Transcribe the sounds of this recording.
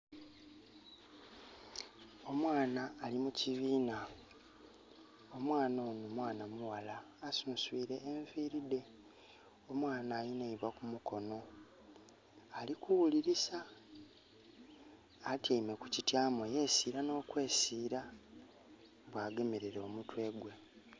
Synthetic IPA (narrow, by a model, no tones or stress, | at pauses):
o̞mwaːnaːlimuciβiːna | o̞mwaːnoːnomwaːnamuwalaː | suːnswiːɾeʔːɱviːɾide̞ | omwaːnaːjineiβwakumuko̞no̞ | alikuwuliɾisa | taime̞ku̥citjaːmweje̞siːɾano̞ːkwe̞ːsiːɾa | βwaːɡe̞me̞ɾeɾeomutwe̞ːɡwe̞